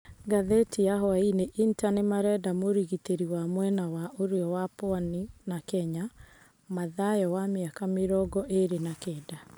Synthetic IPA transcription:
ɡaðetiaɦɔaineʔintanemaɾɛdamoɾiɣiteɾiwamwɛnawaʔoɾeɔwapoaninakɛɲa | maðajɔwameakameɾɔɡɔʔeɾenakɛda

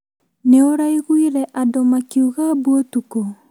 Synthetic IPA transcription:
neoɾaiɣwiɾɛʔadomakiuɣabuotuko

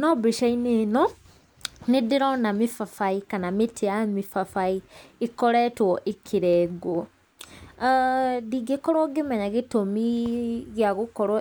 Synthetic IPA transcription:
nɔbɾiʃainenɔ | nidiɾɔnamifafaikanamitʰiamifafaiikɔɾɛtwɔʔikʰiɾɛɡwɔ | diɡekɔɾɔɡemɛɲaɣitomiɣjaɣukɔɾɔ

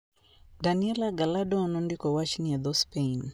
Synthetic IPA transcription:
daniɛlaɡaladɔnɔndikɔwaʃiniaðɔspein

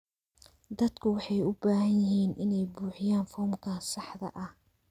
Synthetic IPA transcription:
d̪ɐd̪kʰʊwɑħɑjʊbaːhɐnjɪɦiːnɪnɛjbuːħɪjaːnfɔːmkʰaːsɑħðɐ̰ʔɐh

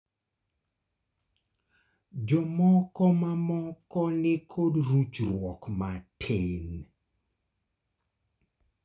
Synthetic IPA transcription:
d͡ʒɔmɔkɔmamɔkɔnɪkʰodɾut͡ʃɾwɔkmatʰen

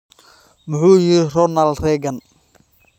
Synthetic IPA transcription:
mʊħuːjɪɾɪrɔnɐlrɛːɡɐn

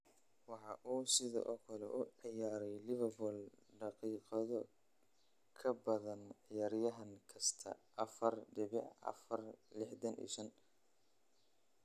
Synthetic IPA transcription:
wɑħɑʔuːsɪðɔ̰ːʔɔːkʰɐlɛʔʊʕɪjaːɾɛjlɪβɐrbʊlɖɑqiːqɑðɔ | kʰɐbɐðɐnʕɪjaːɾjɐɦɐŋkʰɐst̪ʰɐ̰ʔɐfɐrɖɪβɪʕɐ̰fɐrlɪħdɐnʔḭːʃɐn

